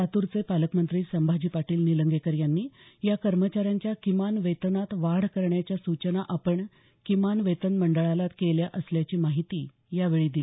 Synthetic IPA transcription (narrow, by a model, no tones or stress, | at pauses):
at̪uɾt͡sepaləkmənt̪ɾiːsəmbʱad͡ʑiːpaʈiːlniləŋɡekəɾjanːiːjakəɾmət͡ɕaɾjaɲt͡ɕjakimanʋet̪nat̪ʋaɽ̤kəɾɳjat͡ɕjasut͡ɕənaʔapəɳ | kimanʋet̪ənməɳɖəɭalat̪keljaʔəsljat͡ɕiːmaɦit̪iː | jaʋeɭiːd̪ili